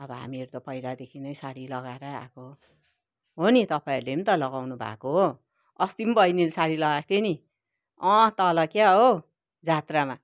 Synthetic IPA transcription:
ʌbʌɦa̰mieɾut̪ʌpʌjɽad̪ekʰinʌjsaɽilʌɡaeɾʌa̰ko | ɦonit̪ʌpaiɾulemit̪ʌlʌɡawnubʱa̰koɦo | ʌst̪imbʌjnilsaɽilʌɡak̚t̪ʰeni | ʌ̃t̪ʌlʌkjaɦo | d͡zat̪rama

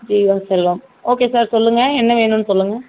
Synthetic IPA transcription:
d͡ʒiːʋaːsɛlːɐːm | oːkeːsaːɾsɔlːɯŋɡɐɛnːɐʋeːnũnːɯsɔlːɯŋɡɐ

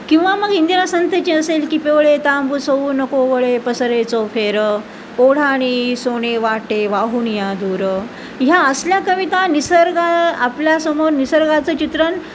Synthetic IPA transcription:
kĩw̃ʋaməɡɦind̪inasənt̪ʰət͡ɕeəselkiːpeʋɭet̪ambusoʋuːnəkoʋəɭepəsəɾet͡sofʰeɾ | koɽ̤aɽ̃isoɽ̃eʋaʈeʋaɦuːnjad̪uɾə | ɦjaəsljakəʋit̪anisəɾɡaapljasəmoɾnisəɾɡat͡sət͡ɕit̪ɾən

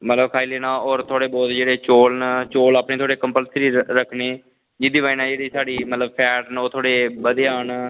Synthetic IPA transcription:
mət̪ləbkʰaːiːleːnãːɔːɾt̪ʰoːɽeːbɔːt̪d͡ʒeːɽeːt͡ʃoːlnt͡ʃoːlaːpɳeːt̪ʰoːɽeːkəmpəlsɾiːɾəkʰneː | d͡ʒɪd̪iːʋaːinãːd͡ʒeːɽiːsaːɽiːmət̪ləbpʰɛːʈnoːt̪ʰoːɽeːbəd̪ɪjaːn

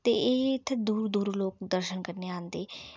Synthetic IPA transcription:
t̪eːʔɪːt̪ʰːd̪uːɾd̪uːɾloːkd̪əɾʃənkəɾneːãːnd̪eː

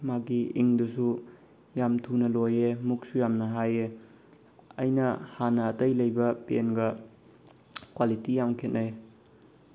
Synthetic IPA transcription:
maɡiʔiŋdusu | jamtʰunɐlojemuk̚sujamnɐɦaje | ɐ̰jnɐhanɐːtɐjlɐjbɐpenɡɐ | kwalitijamkʰet̚naj

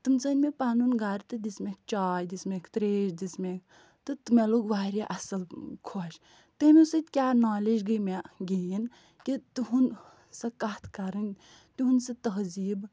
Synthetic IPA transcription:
t̪ɨmt͡sɐnʲmepaːnunɡaːɾt̪ɨd̪ismekʰt͡ʃaːjd̪ismekt̪ɾeːʃd̪ismek̚ʰ | t̪ɨt̪meloɡʋaːɾʲiʔɐsɐlkʰoʃ | t̪emʲesɨt̪ʲkʲjaːnaːled͡ʒɡəmeɡejin | kit̪uɦun | sɐkat̪ʰkɐɾɨn | t̪uɦunsɨt̪ɐɦziːb

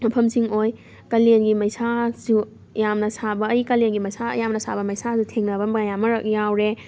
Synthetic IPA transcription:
mɐpʰɐmsiŋoj | kɐlenɡimɐjsazu | jamnɐsabɐːjkɐlenɡimɐjsajamnɐsʰa̰bɐmɐjsazutʰeŋnɐbɐmbɐjamɐɾɐk̚jawɾe

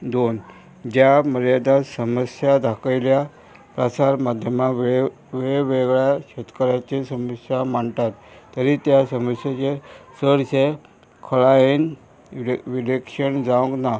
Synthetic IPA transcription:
d̪on | d͡ʑjaməɾjad̪asəməsjad̪ʱakəjlja | pɾasaɾmad̪ʱjəmakʋ | ʋeɭeʋeɡɭjaɕet̪kəɾjat͡ɕesəməsjaməɳt̪at̪ːəɾit̪jasəməsjat͡ɕesəɽse | kʰəɭaen | ʋilekʂənd͡zaʋə̃ŋkna

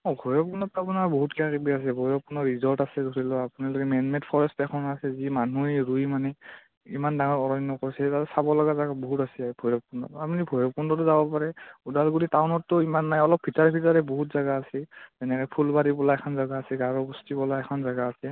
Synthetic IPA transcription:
ɔbʱɔjɹɔp̚undɔtːuapunaɹbɔɦutkiakibias̬ɛbʱɔjɔpunɔɹizɔltasɛdʱoɹilɔapunaɹlɔkɛmɛnmɛtpʰɔɹɛstɛkʰɔnasɛzimanuɹujmanɛ | imandaŋɔɹɔɹɔnːɔkɔɹsɛtatɛsabɔlɔɡazaɡabɔɦutasɛabʱɔjɹɔk̚pundɔ̰tapunibʱɔjɔpundɔtʊzabɔpaɹɛudalɡuɾitawnɔtːʊimanːajɔlɔp̚bʱitaɹpʰitaɹɛboɦutzaɡaːsɛzɛnɛkɛpʰulbaɾipɔlaɛkʰɔnzaɡaːsɛɡaɹɔbustipɔlaɛkʰɔnzaɡaːsɛ

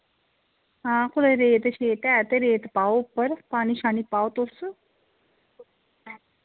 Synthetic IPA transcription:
ɦãkʰuleɾeːt̪əɕet̪ɛt̪eɾeːt̪pawpəɾpaɽ̃iɕañipawt̪os

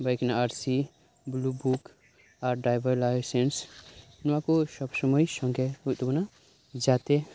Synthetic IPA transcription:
bəjknaaɾsi | blubuk | aɾɖajbəɾlajsens | nʋãkosɔbsəməisə̃ŋɡeut̪ubna | d͡ʒat̪e

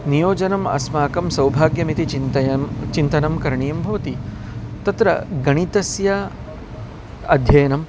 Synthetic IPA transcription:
nijoːd͡ʒɐnɐmɐ̰smaːkɐmsɐwbʱaːɡjɐmit̪it͡ʃit͡ʃint̪ɐnɐmkɐɾɐɳijɐmbʱɐʋɐt̪i | t̪ɐt̪ɾɐɡɐɳ̃it̪ɐsjaː | ɐd̪ʱjɐjɐnɐm

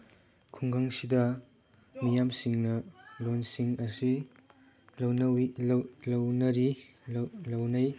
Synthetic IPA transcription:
kʰuŋɡaŋsidɐ | mijamsiŋnɐlonsiŋɐsi | lɐwnɐillɐwnɐɾi | lɐwnɐj

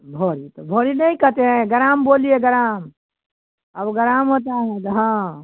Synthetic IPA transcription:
bʱoɾit̪ɔbʱoɾinəjkət̪eɦɛ̃ɡəɾambolijeɡəɾam | əbɡəɾamɦot̪aɦɛ̃t̪ɔɦã

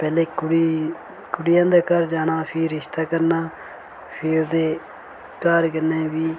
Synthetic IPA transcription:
pɛːleːkɽi | kʊɽɪjãːd̪aːkaːɾd͡ʒaːnaːpʰɪɾːɪʃt̪aːkəɾnaː | pʰɪɾod̪eː | kaːɾkəɾneːʋiː

